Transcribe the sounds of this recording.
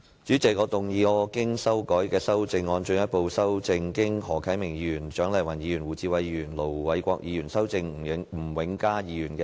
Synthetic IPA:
t͡ʃyː˨˥t͡sɪ˨˩k̚kɔː˨˧˥t̪ʊ˨ŋjiː˨˧ɔː˨˧kɪ˥ŋsɐ˥wkɔː˨˥jkɛː˧sɐ˥wt͡sɪ˧ŋːɔː˧nt͡ʃɵ˧ŋjɐ˥t̚po˧wsɐ˥wt͡sɪ˧ŋkɪ˥ŋhɔː˨˩kʰɐ˨˥jmɪ˨˩ŋjiː˨˥˧jyː˨˩nt͡ʃœː˨˥ŋlɐ˨˩jwɐ˨˩njiː˨˧jyː˨˩nwuː˨˩t͡siː˧wɐ˨jjyː˨˩nlo˨˩wwɐ˨˥jkʷɔ̰ː˧k̚jʔiː˨˧jyː˨˩nsɐ˥wt͡sɪ˧ŋ̩˨˩˨ŋm̩˨˩wɪ˨˥ŋkaː˥jiː˨˧jyː˨˩nkɛː˧

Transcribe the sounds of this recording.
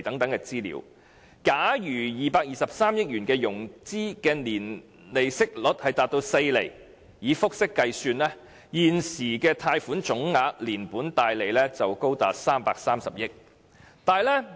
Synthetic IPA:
t̪ɐ˨˥ŋt̪ɐ˨˥ŋkɛ˧t͡siː˥lḭː˨˧˥w | kaː˨˥jyː˨˩jiː˨˩paː˧k̚jiː˨sɐ˨p̚saː˥mjɪ˥k̚jyː˨˩nkɛː˧jʊ˨˩ŋt͡siː˥kɛː˧niː˨˩n | le˨˩jsɪ˥k̚lʊ˨˥t̚hɐ˨jt̪aː˨t̚t̪o˧wse˧jlḛ˨˩j | jiː˨˧fʊ˥k̚sɪ˥kːɐ˧jsyː˧nlɛː˥ | jiː˨˩nsiː˨˩kɛː˧t̪ʰaː˧jfuː˨˥nt͡ʃʊ˨˥ŋŋaː˧k̚liː˨˩npuː˨˥nt̪aː˨˧jle˨jlɛ˥t͡sɐ˨wko˥wt̪a̰ː˨t̚saː˥mpaː˧k̚saː˥msɐ̰˨p̚jɪ˥k̚ | t̪aː˨jlɛː˥

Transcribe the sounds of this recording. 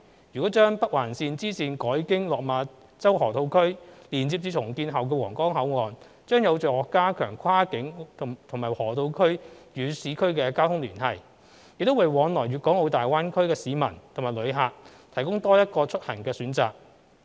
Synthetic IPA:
jyː˨˩kɔ˨˥t͡ʃœː˥ŋpɐ˥k̚waː˨˩nsiː˧nt͡siː˥siː˨˩nkɔː˨˥jkɪ˥ŋlɔː˨k̚maː˨˧ | t͡sɐ˥whɔː˨˩t̪ʰo˧wkʰɵ˥ɥliː˨˩nt͡siː˧p̚t͡syː˧tʰʊ˨˩ŋkiː˧nɦɐ˨wk̬ɛː˧wɔː˨˩ŋkɔː˥ŋɦɐ˨˥wŋɔː˨n | t͡ʃœː˥ŋjɐ˨˧wt͡ʃœː˨˩ɔː˨˩kːaː˥kʰœː˨˩ŋkʷʰwaː˥kɪ˨˥ŋt̪ʰʊ˨˩ŋmaː˨˩jhɔː˨˩t̪ʰo˧wkʰɵ˥ɥjyː˨˧siː˨˥kʰɵ˥ɥkɛː˧kaː˥wtʰʊ˥ŋlyː˨˩nhɐ˨˩j | jɪ˨k̚t̪o˥wa˨˩jwɔː˨˧nlɔː˨˩jyː˨t̚kɔː˨˥ŋho˨˧wt̪aː˨jwaː˥nkʰɵ˥ɥkɛː˧siː˨˧mɐ̰˨˩nt̪ʰmaː˨˩lɵ˨˧ɥɦaː˨˩k̚t̪ʰɐ˨˩jkʊ˥ŋt̪ɔː˥jɐ˥t̚kɔː˧t͡ʃʰɵ˥t̚hɐ˨˩ŋkɛː˧syː˨˥nt͡saː˨k̚

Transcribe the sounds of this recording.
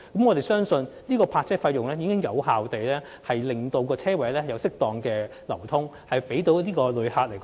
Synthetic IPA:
kɐ˨˦mŋɔː˨˧t̪e˨˩jsœː˥ŋsɵ˧nniː˥kɔː˧pʰaː˧t̚t͡sɛː˥fɐ˧jʊ˨ŋlɛː˥jiː˨˥kɪ˥ŋjɐ˨˧whaː˨wt̪e˨jlɛː˥ | hɐ˨jlɪ˨˩ŋt̪o˨˧wkɔː˧t͡sʰɛː˥wɐ˨˥lɛː˥hjɐ˨˧wsɪ˥k̚t̪ɔː˨ŋkɛː˧lɐ˨˩wt̪ʰʊ˥ŋ | hɐ˨jpe˨˥jt̪o˨˥wniː˥kɔː˧lɵ˨˧haː˧t̚le˨˩jk

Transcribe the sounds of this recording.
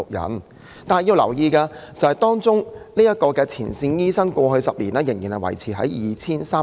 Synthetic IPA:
ʊ˨k̚jɐ̰˨˩n | t̪aː˨nhjiː˧wlɐ˨˩wjiː˧kɛː˧t͡sɐ˨˩hɐ˨˩jt̪ɔː˥ŋt͡sʊ˥ŋni˥jɐ˥t̚kɔː˧kɛː˧t͡sʰiː˨˩nsiː˧njiː˥sɐ˥nkʷɔː˧ɦɵ˧ɥsɐ˨p̚lḭː˨˩naː˥jɪ˨˩ŋjiː˨˩nhɐ˨wɐ̰˨˩jt͡sʰiː˨˩ɦɐ˨˦jjiː˧t͡sʰiː˥nsaː˥

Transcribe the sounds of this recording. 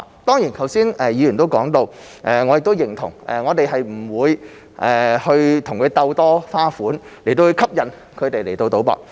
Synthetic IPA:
t̪ɔː˥ŋjiː˨˩nk̪ʰɐ˨˩wsiː˥nʔɛ˨˧jiː˨˧jyː˨˩nt̪o˥wkɔː˨˥ŋt̪o˧w | ʔɛː˧ŋɔː˨˧jɪ˨k̚t̪wjɪ˨˩ŋt̪ʰʊ˨˩ŋʔɛ̰˨ŋɔː˨˧t̪e˨jɦɐ˨jm̩˨˩wuː˨˧j | ʔɛː˨˩hɵ˧ɥt̪ʰʊ˨˩ŋkʰɵ˨˧t̪ɐ˧wt̪ɔː˥faː˥fuː˨˥nle˨˩t̪o˧whɵ˧ɥkʰɐ˥p̚jɐ˨n | kʰɵ˨˧ɥt̪e˨jle˨˩jt̪o˧wt̪o˨˧˥wpɔ̰ː˧k̚

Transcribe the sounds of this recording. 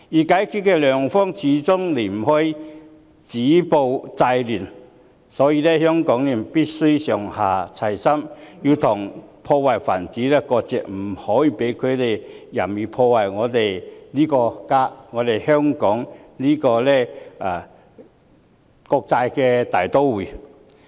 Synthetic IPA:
jiː˨˩kaː˨˥jkʰyː˨˧t̚kɛ˧lœː˨ŋfɔː˥ŋt͡sʰiː˨˥t͡sʊ˥ŋle˨˩m̩˨˩hɔ˧˥j | t͡siː˨˥po˨˧wt͡sa˧jlyː˨˩n | sɔː˨˥jiː˧lɛ˥hœː˥ŋkɔː˨˥ŋli˨˩m˨piː˥t̚sɵ˥sœː˨˩ŋhaː˨˩t͡sʰɐ˨˩jsɐ˥mji˧wt̪ʰʊ˨˩ŋpʰɔː˧waː˨jfaː˨˩nt͡siː˨˥lɛː˧˥kɔː˧k̚t͡sɛː˨k̚m̩˨˩hɔː˨˥jiː˧pe˨˥jkʰɵ˨˧t̪e˨˩jjɐ˨˩mjiː˨˩pʰɔː˧wa˨˩jŋɔː˨˧t̪e˨jliː˥kɔː˧kaː˥ŋɔː˨˧t̪e˨˩jhœː˥ŋkɔː˨˥ŋliː˥kɔː˧lɛː˥˩ʔaː˨˩ | kɔː˧k̚t͡sa˧jkɛ˧t̪aː˨˩jt̪o˥wwu˨˩

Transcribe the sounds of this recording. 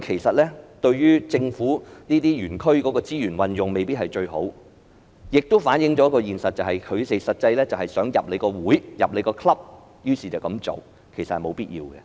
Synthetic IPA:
kʰe˨˩jsɐ˨t̚lɛː˥t̪ɵ˧ɥjyː˥t͡sɪ˧ŋfuː˨˥niː˥t̪iː˥jyː˨˩nkʰɵ˥ɥkɔː˨˥kɔː˧t͡siː˥jyː˨˩nwɐ˨njʊ˨ŋme˨jpi˥hɐ˨˩jt͡ʃɵ˧ɥɦo˨˥w | jɪ˨k̚t̪o˥wfaː˨˥njɪ˨˧ŋt͡ʃɔː˨˥kɔː˧jiː˨˩nsɐ˨t̚t͡sɐ˨whɐ˨jkʰɵ˨˧ɥt̪e˨jsɐ˨t̚t͡sɐ˧jlɛː˥t͡sɐ˨whɐ˨˩jsœː˨˥ŋjɐ˨p̚le˨˧jkɔː˧wuː˨˥jjɐ˨p̚le˨˧jkɔː˧kʰlɐ˥p̚ | jyː˨˥˩siː˨˩t͡sɐ˨wkɐ˨˦mt͡so̰˨w | kʰe˨˩sɐ˨thɐ˨˩jmo˨˧wpiː˥t̚jḭː˧wɡɛ̰˧

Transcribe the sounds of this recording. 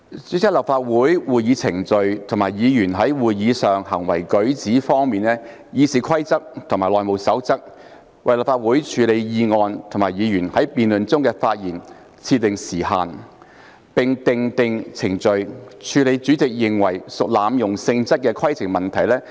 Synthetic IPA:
t͡syː˨˥t͡sɪ˥lɐ˨p̚faː˧t̚wuː˨˥jwuː˨˩jjiː˨˧t͡sʰɪ˨˩ŋt͡sɵ˨˧ɥt̪ʰʊ˨˩maː˨˩jjiː˨˧jyː˨˩nɦɐ˨˥jwuː˨jjiː˨˧sœː˨ŋhɐ˨˩ŋwɐ˨˩jkɵ˨˥ɥt͡siː˨˥fɔː˥ŋmiː˨nlɛː˥ | jiː˨˧siː˨˧kʰɐ˥jt͡sɐ˥k̚t̪ʰʊ˨ŋmaː˨˩lɔː˨jmo˨˩wsɐ˨˥wt͡sɐ˥k̚ | wɐ˨jlɐ˨p̚faː˧t̚wuː˨˥jt͡ʃʰyː˨˧le˨˧jjiː˧ŋɔː˧nt̪ʰʊ˨˩maː˨˩jiː˨˧jyː˨˩nhɐ˨˥jpiː˨˧nlɵ˨nt͡sʊ˥ŋkɛː˧faː˧t̚jiː˨˩n | t͡sʰiː˧t̪ːɪ˨ŋsiː˨˩ha̰ː˨n | pɪ˨ŋt̪ɪ˨ŋt̪ɪ˨˧ŋt͡sʰɪ˨˩ŋt͡sɵ˨ɥt͡ʃʰyː˨˧le˨˧jt͡ʃyː˨˥t͡sɪ˨k̚jɪ˨ŋwɐ˨˩jsʊ˨k̚laː˨˧mjʊ˨˩ŋsɪ˧ŋt͡sɐ˥t̚kɛː˧kʰɐ˥jt͡sʰɪ˨˩ŋmɐ˨nt̪ʰɐ˨˩jlɛː˥

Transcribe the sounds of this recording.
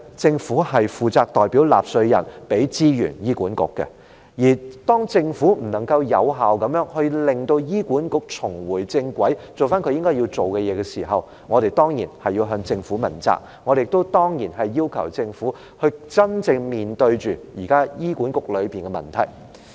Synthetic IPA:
t͡sɪ˧ŋfuː˨˥hɐ˨jfuː˨˩t͡saː˧k̚t̪ɔː˨jpiː˨˥wla̰ː˨p̚sɵ˧ɥjɐ̰˨˩npe˨˥jt͡siː˥jy̰ː˨˩njiː˥kuː˨˥nkʊ̰˨kːɛ̰˧ | jiː˨˩t̪ɔː˥ŋt͡sɪ˧ŋfuː˨˥m̩˨˩nɐ˨˩ŋkɐ˧wjɐ˨˧wɦaː˨˩wkɐ˨˧˥mjœː˨˥ŋhɵ˧lɪ˨ŋt̪o˧wjiː˥kʷuː˨˥nkʊ˨k̚t͡sʰʊ˨˩ŋwuː˨˩jt͡sɪ˧ŋkʷwɐ˨˥jt͡so˨wfaː˥nkʰɵ˧jɪ˥ŋkɔː˥ji˧t͡so˨wkɛ˧jɛː˨˧ɡɛ˧siː˨˩ɦɐ˨w | ŋɔ˨˧ɾe˨jt̪ɔː˥ŋjḭː˨˩nhɐ˨jiː˧wɦœː˧ŋt͡sɪ˧ŋfuː˨˥mɐ˨˩nt͡sa̰ː˧k̚ | ŋɔː˨˧e˨ɪ˨k̚t̪o˥wt̪ɔː˥ŋjiː˨˩nɦɐ˨jːiː˥wkʰɐ˨˩wt͡sɪ˧ŋfuː˨˥ | hɵ˧ɥt͡sɐ˥nt͡sɪ˧ŋmiː˨˩nt̪ɵ˧ɥt͡ʃyː˨jiː˨˩kaː˥jiː˥kuː˨˥nkʊ˨˥k̚lɵ˨˧ɥpiː˨nɡɛ˧mɐ̰˨˩nt̪ʰɐ̰˨˩j

